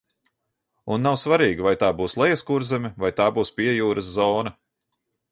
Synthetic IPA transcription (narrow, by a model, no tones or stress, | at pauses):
unːawsvaɾiːɡivajt̪aːbuːslˠɛjɛskuɾzɛmʲivajt̪aːbuːspʲiɛjuːɾɐszɔːnɐ